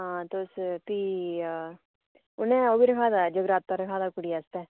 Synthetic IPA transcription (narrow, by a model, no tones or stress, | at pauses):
ɦãːt̪ospiː | ʊnẽːoːbiːɾəkʰaːd̪aːd͡ʒəɡɾaːt̪̚pãɾəkʰaːd̪aːkʊɽiast̪ɛː